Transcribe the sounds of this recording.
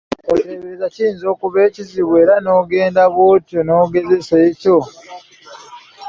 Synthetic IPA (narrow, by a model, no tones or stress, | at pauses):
oleβezaciːnzo̞ːkuβe̞ːciziβwe̞ːɾano̞ːɡe̞ːndaβwoːtonoːɡe̞ze̞seːco